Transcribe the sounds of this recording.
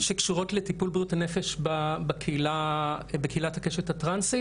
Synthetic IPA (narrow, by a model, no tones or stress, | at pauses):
ʃekʃuʁo̞tletipulbjutanefeʃbabekʰeilabekeilathakeʃethatʁansi